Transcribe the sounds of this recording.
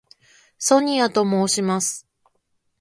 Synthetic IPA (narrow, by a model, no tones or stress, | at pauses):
so̞ɲ̟iat̪o̞mo̞ːɕimasɨ̥